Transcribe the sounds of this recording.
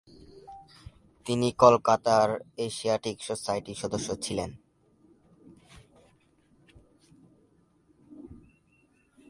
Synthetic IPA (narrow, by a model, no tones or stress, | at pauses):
t̪inikolkat̪aɾeʃiaʈiksosajʈiʃɔd̪oʃːot͡ɕʰilen